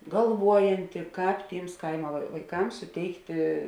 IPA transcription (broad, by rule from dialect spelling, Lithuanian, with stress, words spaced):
ɡɐlˠˈʋuɔjɛnʲtʲɪ ˈkɑːp ˈtʲiːms ˈkɐɪmɐ ʋɐɪ ʋɐɪˈkɐms sʊˈtʲɛɪktʲɪ